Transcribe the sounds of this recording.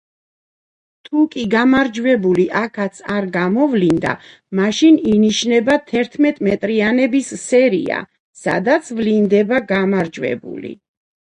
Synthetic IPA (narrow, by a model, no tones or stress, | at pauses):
t̪ʰukʼiɡamaɾd͡ʒwɛbuliʔakʰat̪sʰaɾɡamɔvlind̪a̰ | maʃininiʃnɛbat̪ʰɛɾt̪ʰmɛt̪ʼmɛt̪ʼɾianɛbisːɛɾḭa̰ | sa̰d̪at̪sʰvlind̪ɛbaɡamaɾd͡ʒwɛ̰bṵlḭ